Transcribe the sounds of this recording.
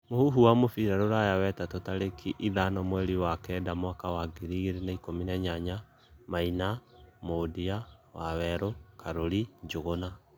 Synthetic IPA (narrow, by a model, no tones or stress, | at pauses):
mohuɦuwamofiɾaɾoɾajawɛtatotaɾekʰiʔiðanɔmwɛɾiwakɛdamwakawaɡiɾiɣeɾenaikominaɲaɲa | mainamodiawawɛɾokaɾoɾiɲd͡ʒoɣona